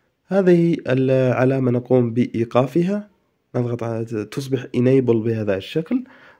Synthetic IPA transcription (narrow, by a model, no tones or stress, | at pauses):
haːðihiɪlʕalamanaquːmbɪʔiːqɑːfɪɦa | nɑðˤɣɑt̪ˤt̪ʊs̬ˤbɪħʔɪneːbɪlbɪhaːðaɪʃːakl